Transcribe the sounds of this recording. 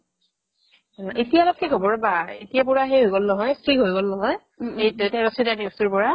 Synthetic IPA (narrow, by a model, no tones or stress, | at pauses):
ʔetijalɔk̚kʰikobɔɹbaetijapʊɹaɦejɦojɡolnɔɦɔjstʰɹiɦojɡolnɔɦɔj | edotɛɹosidaniustuɹpɔɹa